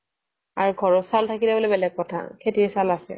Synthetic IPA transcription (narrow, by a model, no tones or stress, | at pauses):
aɹuɡʱɔɹɔsaltʰakilɛbolɛbɛlɛɡ̚kɔtʰa̰kʰetiɛsalasɛ̰